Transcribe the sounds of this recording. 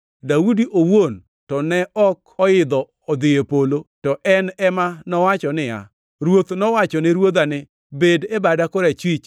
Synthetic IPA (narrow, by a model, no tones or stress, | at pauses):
daudiʔowon | tɔnɛʔɔkɔɪd̪ɔːd̪ɪepolotɔʔɛnɛmanɔwat͡ʃɔnɪa̰ | ɾwot̪nɔwat͡ʃɔnɪɾwod̪anɪ | bedebadakoɾɛt͡ʃwit͡ʃ